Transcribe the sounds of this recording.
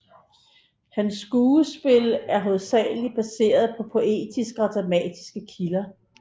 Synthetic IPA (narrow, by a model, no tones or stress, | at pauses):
hænsːɡ̥uːəsb̥e̝læɐɦoð̩ˠsɛ̰ːlib̥æse̝̰ːɐð̞ˠpʰɒ̽pʰo̝ʔe̝̰ːd̥isɡ̥əɒd̥ʁɑ̈mɛ̰ːd̥i̥sɡ̥əkʰilɐ